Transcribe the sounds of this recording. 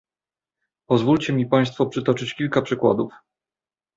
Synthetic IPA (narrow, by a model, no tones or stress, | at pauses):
pɔzvult͡ɕɛmʲipaj̃st̪fɔpʂɘt̪ɔt͡ʂɘt͡ɕkʲilkapʂɘkwa̰d̪uf